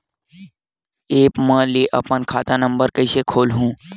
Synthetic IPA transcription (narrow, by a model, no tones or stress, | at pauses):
eːpmə̃liʔɐpənkʰaːt̪ãnəmbəɾkəɪsekʰoːlɦũː